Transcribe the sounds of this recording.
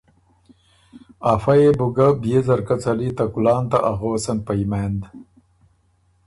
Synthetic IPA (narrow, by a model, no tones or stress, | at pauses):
afajebuɡabjezɐɾkat͡salit̪akulɑːnt̪aʔaɣowsanpajmaːnd̪